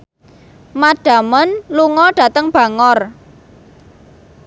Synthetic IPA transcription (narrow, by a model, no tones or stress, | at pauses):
maɖ̥a̤mənluŋɔɖ̥ä̤t̪əŋb̥a̤ŋɔr